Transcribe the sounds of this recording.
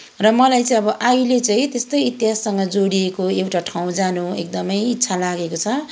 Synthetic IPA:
rʌmʌlajt͡sʌ̃ʌbʌʔajlet͡saĩt̪est̪ʌjit̪jɦasːʌŋɡʌd͡zoɽiekoewʈaʈʰaw̃d͡zanuek̚d̪ʌmʌjitːsʰalaɡekot͡sʰʌ

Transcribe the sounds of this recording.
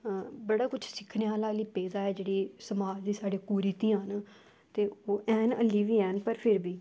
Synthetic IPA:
bəɽaːkʊt͡ʃʰsɪkʰneaːlaːliːpeːzaːɛːd͡ʒeːɽiːsəmaːd͡ʒd̪iːsaːɽeːkuːɾiːt̪ĩãːɦən | t̪eːoːʔɛːnə̰lːiːʋiːɛːnpəɾpʰɪɾbiː

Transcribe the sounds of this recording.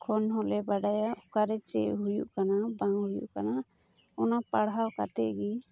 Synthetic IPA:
kʰɔnɦɔlɛbaɖajaʔkaɾɛt͡ʃɛ̰jɦujṵʔkanabaŋɦujṵʔkana | ɔnapaɽɦawka̰t̪ɛʔɡi

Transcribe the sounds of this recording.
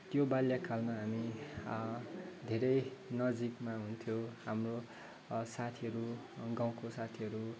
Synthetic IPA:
t̪jobaljakʰalmaɦami | d̪ʱeɾʌjnʌd͡zikmaɦunt̪ʰjohamro | sat̪ʰiʌɾu | ɡaw̃kosat̪ʰiʌɾu

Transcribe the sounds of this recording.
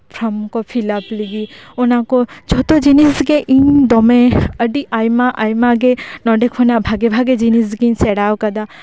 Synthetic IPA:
pʰɾɔmkɔpʰilapliɡionakɔd͡ʒʱɔt̪ɔd͡ʒinisɡeʔiɲd̪ɔmeəɖiʔajmaʔajmaɡenɔɖekʰɔnabʱaɡebʱaɡed͡ʒinisɡeiɲsɛɽawkad̪a

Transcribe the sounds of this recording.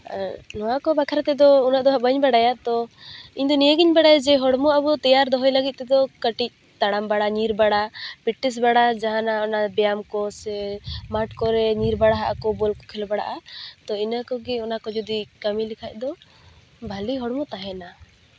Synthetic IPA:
nɔwakɔbakʰaɾt̪ɛd̪ɔunaʔd̪ɔɦabəɲbaɽajat̪ɔiɲd̪ɔnijəɡiɲbaɽajad͡ʒɛɦɔɽmɔabɔt̪ɛjaɾd̪ɔɦɔjləɡit̪̚ˀt̪ɛd̪ɔkəʈic̚ | t̪aɽambaɽaɲiɾbaɽapiʈːis̬baɽad͡ʒaɦãnaɔnabɛjamkɔsɛmaʈkɔɾɛɲiɾbaɽaɦaʔakɔbɔlkɔ̥kʰɛlbaɽa̰ʔat̪ɔinakɔɡɛɔnakɔd͡ʒud̪ikəmilikʰac̚ˀd̪ɔ | bʱaliɦɔɽmɔt̪aɦɛna

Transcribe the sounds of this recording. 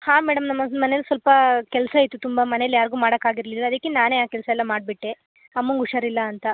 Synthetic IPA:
haːmɛːɽɐmnɐmːɐmɐneɐlsʋɐlpɐkɛlsɐit̪ːut̪umbɐmɐnejɐljaːɾiɡuːmaːɽɐkːaːɡiɾlilːɐːd̪ɐkːenaːneaːkɛlsɐɛlːɐmaːɖ̚biʈːe | ɐmːuŋɡuʂɐɾilːɐːnt̪ɐ

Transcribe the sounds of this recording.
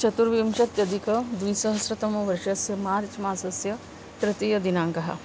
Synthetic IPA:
t͡ʃɐt̪uɾʋimʃɐt̪jɐd̪ʱikɐd̪ʋisɐɦɐsɾɐt̪ɐmɐʋɐɾʃɐsjɐmaːɾt͡ʃmaːsɐsjɐ | tɾɐt̪ijɐd̪inaːŋkɐɦɐ̰

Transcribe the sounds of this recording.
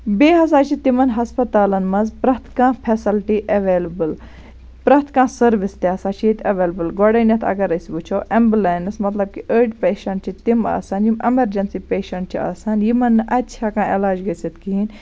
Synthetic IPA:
beːɦɐs̬aːt͡ʃʰit̪imɐnɦɐspɐt̪aːlɐnmɐnzpɾɐt̪ʰkãːpʰesɐlʈiʔɐʋeːlɐbɨl | pɾɐt̪ʰkãːsɐɾʋist̪iaːsaːt͡ʃʰit̪ʰɐʋeːlɐbɨlɡɔɽɐnʲɐt̪ʰɐ̰ɡɐɾɐsibut͡ʃʰoːʔembleːnɨsmɐt̪lɐb̚kiʔəːɖpeːʃɐɳʈ̚t͡ʃʰit̪ima̰ːsaːnjimɐmɐɾd͡ʒɐnsipeːʃɐɳʈ̚t͡ʃʰia̰ːsaːnjimɐnːɨʔɐtʲːt͡ʃʰaːkãːelaːd͡ʒɡɐsit̪kiɦin

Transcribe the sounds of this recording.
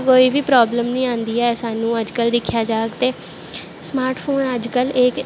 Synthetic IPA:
koːiːʋiːpɾaːbləmnĩːãːnd̪iːɛːsaːnũːəd͡ʒkəld̪ɪkʰːjaːd͡ʒaːəkt̪eː | smaːɾʈpʰoːnəd͡ʒkəlek

